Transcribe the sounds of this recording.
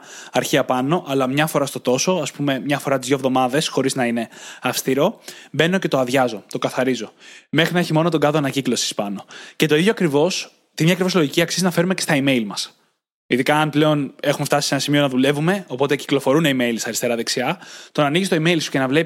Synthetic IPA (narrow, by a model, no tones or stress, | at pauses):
ɐɾçiɐpɐno̞ʔɐlɐmɲɐfo̞ɾɐst̪o̞t̪o̞so̞ɐspume̞mɲɐfo̞ɾɐt̪izðʝo̞vðo̞mɐðe̞sxo̞ɾiznɐine̞ɐfst̪iɾo̞be̞no̞ce̞t̪oɐðʝɐzo̞t̪o̞kɐθɐɾizo̞me̞xɾinɐeçimo̞not̪o̞ɡɐðoɐnɐciklo̞si̥spɐno̞ce̞t̪o̞iðʝoɐkɾivo̞s | t̪iimɲɐkɾivo̞zloʝiciɐksiznɐfe̞ɾumecest̪ɐime̞jlmɐs | iðikɐːnple̞o̞ne̞xume̞ft̪ɐsise̞nɐsimio̞nɐðule̞vume̞o̞po̞t̪eci̥klo̞fo̞ɾuneime̞ilisɐɾist̪e̞ɾɐðeksiɐt̪o̞nɐniʝist̪o̞ime̞jlsu̥ce̞nɐvle̞p